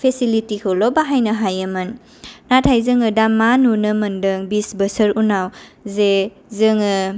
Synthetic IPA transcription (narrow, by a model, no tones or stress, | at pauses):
pʰesilitikʰɯlɔbaɦajnɐɦajemɯnː | atʰajzɯŋɯdamanunɯmɐndɯŋbisbəsəɾunawze | zɯŋɯ